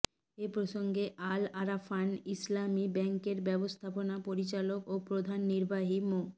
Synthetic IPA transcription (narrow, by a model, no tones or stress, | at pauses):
epɾoʃoŋɡeʔalaɾafanislamibɛŋkeɾbɛbost̪ʰaponapoɾit͡ɕalokopɾod̪ʱanːiɾbaɦimo